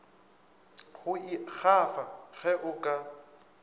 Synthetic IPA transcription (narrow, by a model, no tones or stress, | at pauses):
hʊɪk͡xʰafaɣɛʔʊkʼa